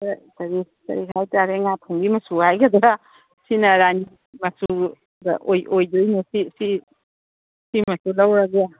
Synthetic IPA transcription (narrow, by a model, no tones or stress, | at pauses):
tɐɾi | tɐ̰ɾikʰajtaɾeŋatʰuŋbimɐsuhajɡɐd̪ɾa | sinɐɾani | mɐsu | dɐ̰ʔojʔojdojnusisi | simɐsulɐwɾɐɡja